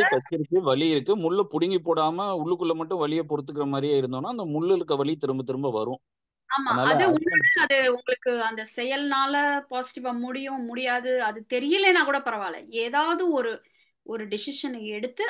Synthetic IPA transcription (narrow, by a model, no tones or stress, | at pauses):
kɐt͡ʃːɪɾɯkːɯʋɐɭɪjɪɾɯkːɯmʊɭːɐpʊɽɪŋɡipːoːɽaːmɐʊɭːɯkːɯɭːɐmɐʈːʊ̃ʋɐɭɪjɐpɔɾɯt̪ːɯk̬ːɪɾɐmaːd̪ɾijaːɪɾɯnd̪oːnːaːɪnd̪ɐmʊɭːɪɾɯkːɐʋɐɭit̪ɪɾɯmbɐɯt̪̬ːɪɾɯmbaʋɐɾʊ̃ | aːmaːnɐɐðɯʊɐðɯʊŋɡɐɭɯkːɯɐnd̪ɐsɛjɐlnaːlɐpaːsɪ̥ʈɪʋaːmʊɽɪjʊ̃mʊɽɪjaːðɯɐðɯt̪ɛɾɪjɐleːnãːkuːɽɐpɐɾɐʋaːlɐ̰eːðaːʋɐðɯɔɾɯ | ɔɾɯɖɪsɪʂɐnɛɽɯt̪ːɯ